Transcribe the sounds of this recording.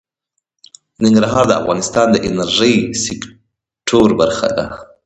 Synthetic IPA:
nɪŋɡɾaɦɑɾd̪əa̰fɣɑnɪst̪ɑnd̪əʔɪnaɾʒəjsɪk | ʈʰoɾbaɾxa̰d̪a̰

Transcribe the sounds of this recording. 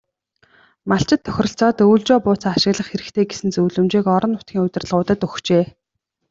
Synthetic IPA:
maɬt͡ɕɪ̆t̪ʰːœ̥xʲrə̆ɬt͡sɔːt̪uːɮt͡ɕɔːpʊːt͡saːaʃɪ̆ɣɮə̆χxeɾɘ̆kt̪ʰeːɡesɘ̆nt͡suːɮɵ̆mt͡ɕeːkɔɾɞ̆nʊt̪̚ɡʲiːŋʊt̪ʲɪ̆r̆ɮʁʊːt̪ə̆t̪ɵxt͡ɕeː

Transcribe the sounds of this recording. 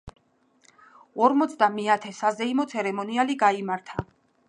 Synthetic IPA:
ɔɾmɔt̪sʰd̪amɛat̪ʰɛsazɛimɔt̪sʰɛɾɛmɔnialiɡaimaɾt̪ʰa

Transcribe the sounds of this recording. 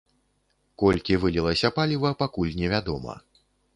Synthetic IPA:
kɔlʲkʲivɨlʲilˠɐsʲɐpalʲivɐpakulʲnʲɛvʲad̪ɔmɐ̰

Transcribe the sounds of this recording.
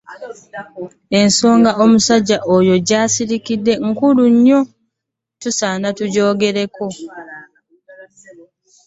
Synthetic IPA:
e̞nso̞ːŋɡaomusaɟːaʔojo̞ɟaːsiɾikidːe̞ŋ̩kuluɲːo̞ | tusaːnatuɟo̞ːɡe̞ɾe̞ko̞

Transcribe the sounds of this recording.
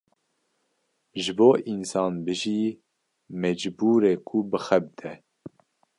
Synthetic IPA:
ʒɨboːʔinsɑːnbɨʒiː | mɛd͡ʒbuːɾeːkʰubɨxɛbɨd̪ɛ

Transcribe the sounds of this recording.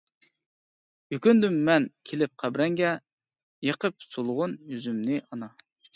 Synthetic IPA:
jykʲynd̪ymːɛnkʲʰelɪp̚qʰæbɾɛŋɡʲɛ | jeqʰəp̚solˠʁʊnjyzymnɪʔɑnɑ

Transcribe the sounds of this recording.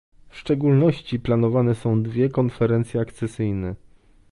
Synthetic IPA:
fʂt͡ʂɛɡulnɔɕt͡ɕiplanɔvanɛsɔ̃w̃d̪vʲjɛkɔnfɛɾɛnt̪sʲjɛakt̪sɛsɘjnɛ

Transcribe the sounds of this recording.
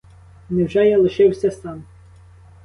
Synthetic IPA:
nɛwʒɛjɛlˠɪʃɪwsʲɐsɑn

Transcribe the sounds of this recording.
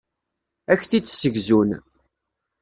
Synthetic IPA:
æçθit͡sːsəɡzun

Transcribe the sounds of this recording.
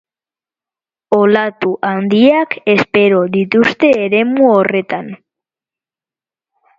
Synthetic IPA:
o̞lat̪uʔand̪iake̞spe̞ɾo̞ðit̪ust̪e̞ːɾe̞muo̞re̞t̪an

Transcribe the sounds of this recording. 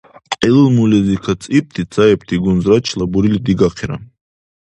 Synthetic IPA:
qʼilɨlmulɛzikʰat͡sʼip̚t̪ʰit͡sʰaɛpt̪ʰiɡunzɾat͡ʃʰlabuɾilid̪iɡaqʰiɾa̰n

